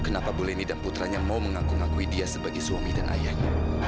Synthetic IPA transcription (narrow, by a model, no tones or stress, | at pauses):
kənapabolɛhnidanput̪ɾaɲamauməŋakuŋakuidiasəbaɡajswamidanʔa̰jahɲa